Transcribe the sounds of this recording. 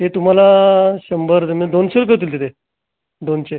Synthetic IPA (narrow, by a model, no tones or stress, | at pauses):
ɦet̪um̤alaɕəmbəɾd̪eməd̪onseɾkəɾt̪iːlt̪it̪ʰe | d̪ont͡ɕe